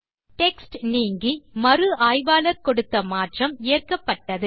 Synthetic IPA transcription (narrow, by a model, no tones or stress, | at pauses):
ʈɛksʈniːŋɡimɐɾɯaːjʋaːlɐɾkɔɽɯt̪ːɐmaːʈrɐmɪjɐrkɐpːɐʈːɐðɯ